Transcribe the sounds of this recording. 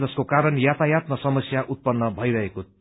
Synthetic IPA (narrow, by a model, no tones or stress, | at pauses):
d͡zʌskokaɾʌnjat̪ajat̪̚mʌsʌmʌsjaʔut̪̚pʌnːʌbʱʌiɾʌɦeko